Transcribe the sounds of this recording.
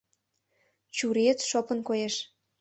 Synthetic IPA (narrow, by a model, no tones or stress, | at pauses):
t͡ɕuɾet͡sʃopənkojeʃ